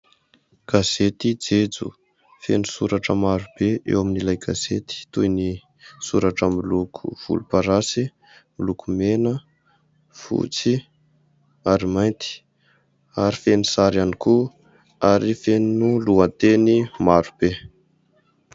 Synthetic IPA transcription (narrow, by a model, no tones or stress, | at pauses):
ɡ̥az̥et̪id͡zed͡zṵ | fenusuɾaʈ͡ʂəmaɾub̥eʔḛwaminilajɡazet̪i̥t̪ujni | suɾaʈ͡ʂəmilukʰṵv̥ṵlupaɾasi | mulukumenə | fṵt͡si | aɾimajnt̪i̥ | aɾifenisaɾaniku | aɾifennuluant̪enimaɾub̥e